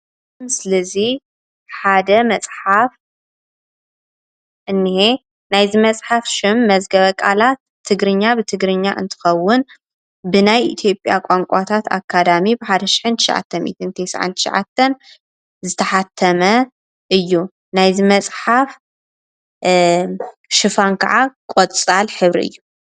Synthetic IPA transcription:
msɨlɐzi | ħad̪ɐmɐt͡sʼħaf | ʔɨnːihe | najzimɐt͡sʼħafʃɪmːɐzɡɐβɐkʼa̰lat̪ʰːɨɡɾɨɲːabɨt̪ʰɨɡɾɨɲːaʔɨ̰nt̪ʰɨ̥xɐwːʊn | bɨnajʔit̪ʰjo̞pʼjakʷʼaŋkʼat̪ʰat̪ʰa̰kʰːad̪amibɨħad̪ɐʃi̥ħɨnt̪ʰɨ̥ʃa̰ʕa̰t̪ʰːɐnmḭt̪ʰɨnt̪ʰejsa̰ʕa̰nt̪ʰɨ̥ʃɐ̰ʕa̰t̪ʰːɐn | zɨt̪ʰɐħat̪ʰːɐmɐ | ʔɨjːu | najzɨmɐt͡sʼħaf | ʃɨfankʰɐ̰ʕakʼot̪ʼt͡sʼalħɨβɾḭʔɨ̰jːu

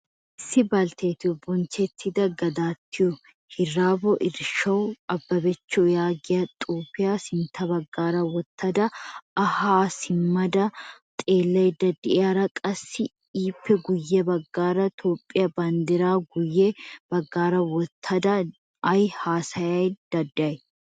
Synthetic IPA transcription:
ɪsɪbɐlt̪eːt̪ɪɔbɔnt͡ʃɛt̪ʰːɪd̪ɐɡɐd̪aːt̪ːɪjʊ | hɪrːaːbɔʔɪɾʃɐwɐbːɐbɛt͡ʃːɔjaːɡɪjɐt̪ʼuːpːɪjaːsɪnt̪ʰɐbɐɡːaːɾɐwɔt̪ːɐd̪ɐɐhaːsɪmːɐd̪ɐt̪ʼeːlːɐjd̪ɐd̪ɪʔaɾɐkʼɐsːɪ | iːpːɛɡʊjːɛbɐɡːaːɾɐt̪ʰoːpʼːɪjɐbɐnd̪ɪɾaːɡʊjːɛb̥ɐɡːaːɾɐwɔt̪ʰːɐd̪ɐ | ʔɐjhaːsɐjɐjd̪̥ɐd̪ɪʔɐj

